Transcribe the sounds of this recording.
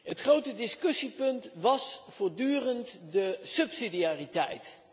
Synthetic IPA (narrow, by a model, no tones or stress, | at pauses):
ɦətχrowtədɪskɵsipɵntʋɑsfʊːɹdyːrəntdəsɵpsidiaːritɛ̰jt